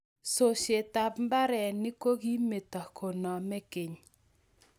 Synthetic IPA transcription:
so˨ʃe˨ta˨bmba˦ɾɛ˨nɪ˦ko˦ɡi˦me˨ta˨kʰo˨nɔ˨mɛ˦kɪ˨ɲ

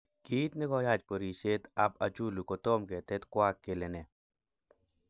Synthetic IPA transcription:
ɡ̥i˦t̪nɪ˦ɡɔ˦ja˦˨t͡ʃpo˨ɾi˨t͡ʃe˦t̪a˦pa˨t͡ʃu˦lu˨ko˨t̪o˦mke˨t̪ɛ˦t̪kwa˦kːe˨le˨nɛ˨

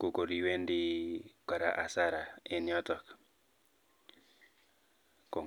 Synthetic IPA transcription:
ko˨ko˨ɾi˨we˦ndi˦ka˨ɾa̰˨ʔa˨sa˦ɾa˨e˨njɔ˦t̪ɔ˦k | ko˨

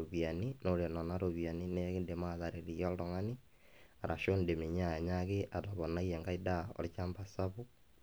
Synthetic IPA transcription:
o˨βja˨ni˦no˦ɾe˨nɔ˨na˦ɾo˨βja˨ni˦ne˦ɣe˦nde˨ma˦ða˨ɾe˨ɾi˨jɔ˦ldɔ˨ŋa˦ni˦ | a˨ɾʔa˨ʃo˦nde˨me˨ɲ˦a˦˨ja˨ɲa˦ɣe˦ʔa˨ta˨βɔ˨na˦iɛ˨ŋɡa˦i˦da˦ɔ̰˨ɾt͡ʃa˦mba˨sa˦βu˦

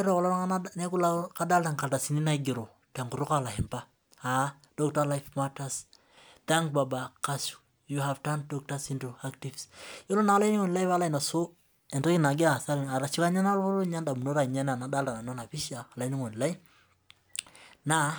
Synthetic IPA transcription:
ɾɔ˨kɔ˨lɔ˦nananɛ˦ku˦laka˦da˦lta˨ŋka˨lta˨si˨ni˦na˦iɡi˨ɾo˨ | ta˨ŋku˨ɾu˦ka˦la˨ɦɛ˨mpa | a | dɔk̚talajfmatas | t̪ɛ˦ŋkbabakasu̥ | juɦavtandɔk̚tasintuaktivsjo˦lo˦na˨a˦la˦i˦ni˦ŋɔ˨n˨la˦iva˦la˦i˨na˨so | ɛ˨ntɛ˦ki˦na˨ɡɛ˦a˨sa˦ɾina˨ɾa˨t͡ʃi˦ka˦ɲa˦na˦lo˦lo˦ɲa˦nda˨mu˨no˦ɾa˨ɲa˦na˨na˨da˦lta˨na˨nɔ˦na˨pi˦ʃaː˨la˨i˦ni˦ŋɔ˨n˨la˦jf | na

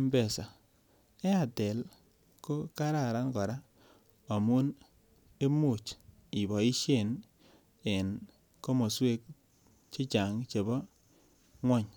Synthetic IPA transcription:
m˦bɛ˨sa˨ | ɛ˦a˨tɛ˨l | ko˦ka˦ɾa˦˨ɾa˦nkɔ˨ɾa˦ | a˨mu˦n | e˦mo˨t͡ʃ | i˨bɔ˨i˦ʃje˦˨n | ɛ˨n | ko˦mo˨swe˦k̚ | t͡ʃe˦t͡ʃa˨ŋt͡ʃe˨bɔ˦ | ŋwɔ˦ɲ

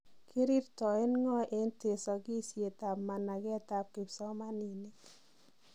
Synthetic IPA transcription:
ki˦ɾi˦ɾtɔ˨e˦nŋɔ˦ʔe˦nte˨sɔ˨ki˦sje˨ta˨pma˨na˨ɡɛ˦ta˨p̚kɪ˨psɔ˦ma˦ni˨ne˦

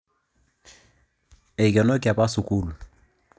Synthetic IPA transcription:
e˨kɛ˨nɔ˦ki˨a˨pa˦su˨ku˦˨l

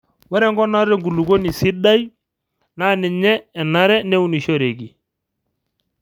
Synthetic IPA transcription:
wɛ˦ɾɛ˦ŋɡɔ˦na˦ɾɛ˦ŋɡu˨lu˨ɡo˦ni˨sɪ˦da˦j | na˦nɪ˨ɲɛ˦ɛ˨na˦ɾɛ˦nɛ˦u˦ni˨ʃo˦ɾe˨ɡi˨

